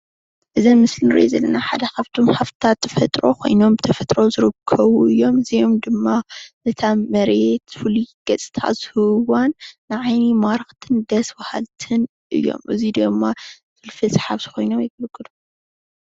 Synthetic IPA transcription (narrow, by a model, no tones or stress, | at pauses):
ʔɨzɐnmɨslnɨɾḛzɐlːɐnaħad̪ɐkaβt̪ʰomhaft̪ɨt̪ʰat̪ːɐ̥fɐt̪ʼɾo̞̰kʰo̞̰jno̞mbɨt̪ʰɐfɐt̪ʼɾo̞zɨɾɨkʰːɐβuɨjːo̞mɨzijomd̪ɨmːanɨt̪ʰamɐɾet̪fuliɡ̥ɐt͡sʼɨ̥t̪ʰa̰t̪z̥ɨhɨwanːɨʕajnimaɾɨxt̪ʰɨnd̪ɐsbɐha̰lt̪ʰɨn | ʔɨ̰jːo̞̰mʔɨzid̪ɐmːa | fɨlfɨsʼɨ̥ħaβt̪ɨ̥xʰo̞jno̞mjɛɡɐlkʼːɨd̪u